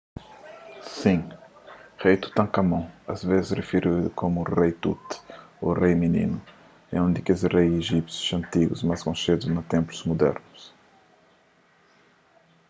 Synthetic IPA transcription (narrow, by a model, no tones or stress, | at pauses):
sĩ | ʁejt̪u̥t̪ɐ̃ŋkɐmɐ̃w̃ɐ̰zvezɪsrefiɾud̪ṵkʰomurejt̪ṵt̪o̰rejminḭnu | ɛ̰ũnd̪ikezrejeʒipsju̥sɐ̃nt̪iɡuzmɐskõʃed̪uznɐt̪ẽmpluzmud̪ɛ̰ɾnʊs